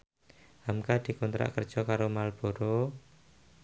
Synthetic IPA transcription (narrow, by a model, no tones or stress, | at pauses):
hamkad̪̥i̤kɔnt̪ɾa̰kər̥ʒ̥ɔkaɾomalb̥oɾo